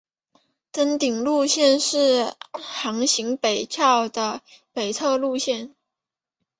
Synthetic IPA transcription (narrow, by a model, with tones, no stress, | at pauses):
t̪ə˥nt̪i˨˩ŋlu˥˧ɕjɛ˥˧nʂɻ̩˥˩xɑ˧˥ŋɕi˧˥ŋpe˨˩ɪt͡ɕʰjɑ˥˩ʊd̪ə˩pe˨˩ɪt͡sʰɤ˥˧lu˥˧ɕjɛ˥˩n